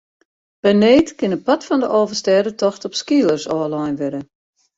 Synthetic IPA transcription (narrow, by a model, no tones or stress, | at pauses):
b̥ɛneːtkɪnət̚pɔtfɔndəʔoːvərstɛːdətɔxtɔpskiəlˠərsɔːlajnʋɪdə